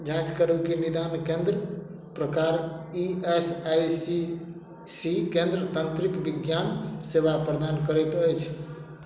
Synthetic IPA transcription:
d͡ʒãt͡ʃkəɾəkenid̪ankẽnd̪ɾə | pɾəkaɾiesajsi | sikẽnd̪ɾət̪ənt̪ɾikbiɡjansebapɾəd̪ankəɾɛt̪əjt͡ʃʰ

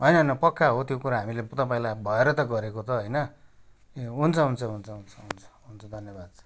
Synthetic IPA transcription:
ɦʌjnʌɦʌnʌpʌkːaɦot̪jokuɾaɦamilet̪ʌpaĩlajbʱʌeɾʌt̪ʌɡʌɾekot̪ʌɦʌjnʌ | ɦunt͡sʰʌɦunt͡sʰʌɦunt͡sʰʌɦunt͡sʰʌɦunt͡sʰʌ̥ɦunt͡sʰʌd̪ʱʌnjʌbad̪̚t͡sʰʌ̥

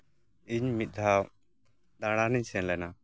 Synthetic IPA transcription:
iɲmit̪̚ˀd̪ʱaw | d̪aɽ̃aniɲsɛnlɛna

